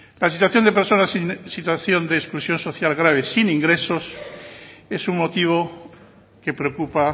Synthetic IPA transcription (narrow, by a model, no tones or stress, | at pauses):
lasit̪waθjo̞nd̪e̞peɾso̞nasinsit̪waθjo̞nd̪eːsklusjo̞nso̞θjalɣɾaβ̞e̞siniŋɡɾe̞so̞s | e̞suŋmot̪iβ̞o | ke̞pɾeokupa